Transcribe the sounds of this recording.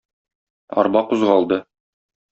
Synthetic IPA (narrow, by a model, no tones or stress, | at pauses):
ɒ̰ɾbɑquzʁɑlˠd̪ɤ